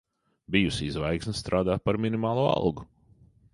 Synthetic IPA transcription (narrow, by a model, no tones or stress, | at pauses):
bijusizvajksnst̪ɾaːd̪aːt̪̚paɾminimaːlˠuɔa̰lˠɡu